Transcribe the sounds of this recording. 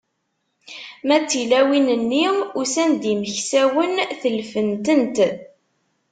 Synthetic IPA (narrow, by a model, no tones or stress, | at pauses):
mæt͡sːilæwinənːiʊsænd̪iməçsæwənθəlfənt̪ənt̪